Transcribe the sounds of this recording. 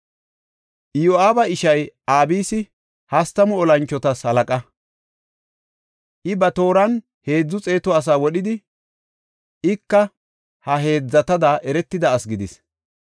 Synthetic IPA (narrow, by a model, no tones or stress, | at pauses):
ʔɪjoaːbɐɪʃɐjaːbiːsɪ | hɐst̪ɐmʊɔlɐnt͡ʃːɔt̪ɐshɐlɐkʼɐ | ʔɪbɐt̪o̞ːɾɐn | he̞ːd͡zːʊt͡sʼe̞ːt̪ɔɐs̬aːwɔɗɪd̪ɪ | ɪkːɐ | hɐɦe̞ːd͡zːɐt̪ɐd̪aʔɛɾɛt̪ːɪd̪ɐːsɡɪd̪ɪs